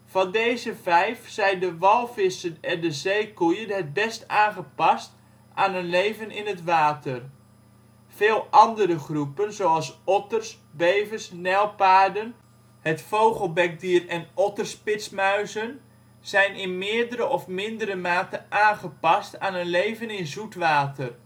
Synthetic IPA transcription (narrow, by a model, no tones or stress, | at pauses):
v̥ɑndejzəvɛjfsɛjndəʋɑlˠvɪsənɛndəzejkujənɦət̚bɛstaːnχəpɑst | ʔaːnənlejvənɪnətʋaːtər | v̥eːlˠʔɑndəɾəχrupənzowɑlˠsɔtərs | bejvəsnɛlˠpaːɹdən | hətfowχəlˠbɛk̚diːərɛnɔtərspɪtsmœɥzən | z̥ɛjnɪnmɪːəɹdəɾəʔɔfmɪndəɾəmaːtəʔaːnχəpɑstaːnənlejvənɪnzutʋaːtər